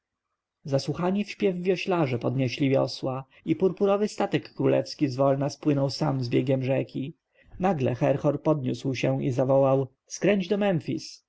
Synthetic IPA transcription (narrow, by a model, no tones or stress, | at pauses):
zaswuxaɲifɕpʲjɛvːʲjɔɕlaʐɛpɔd̪ɲeɕlʲivʲjɔ̰swa | ipuɾpuɾɔvɘst̪at̪ɛkːɾulɛ̰fskʲizvɔlnaspwɘnɔwsamzbʲjeɡʲɛmʐɛkʲi | naɡlɛ̰xɛɾxɔɾpɔd̪ɲuswɕɛ̃ḭzavɔwaw | skɾɛɲd͡ʑd̪ɔmɛnfʲḭs